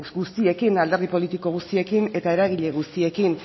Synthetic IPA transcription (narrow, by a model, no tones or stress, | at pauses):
ɣust̪ie̞kinald̪e̞ɾðipo̞lit̪iko̞ɣ̞ust̪ie̞kine̞t̪ae̞ɾaɣ̞iʎe̞ɣ̞ust̪ie̞kin